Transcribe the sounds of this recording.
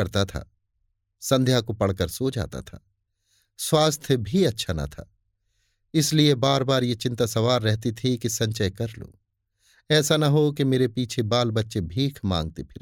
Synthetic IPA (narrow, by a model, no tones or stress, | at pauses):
ɐɾt̪at̪ʰa̰ː | sɐ̃nd̪ʱjakopɐɽ̤kəɾsoːd͡ʒa̰ːt̪a̰t̪ʰa̰ː | swaːst̪ʰəbʱiɐtːʃʰanɐ̰t̪ʰa̰ː | ɪsliebaːɾbaːɾjet͡ʃɪ̃nt̪asɐʋaːɾːɛɦt̪it̪ʰikisɐ̃ɲt͡ʃəjkɐɾlo̰ː | ɛːsanɐɦokimeːɾepiːt͡ʃʰebaːlbɐtːʃebʱiːkʰmã̰ːŋɡ̚t̪epʰɪɾ